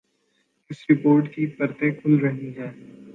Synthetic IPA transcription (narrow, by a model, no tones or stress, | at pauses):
ɪsɾɪpoːɾʈkipɐɾt̪ekʰʊlɾɐɦiɦɛː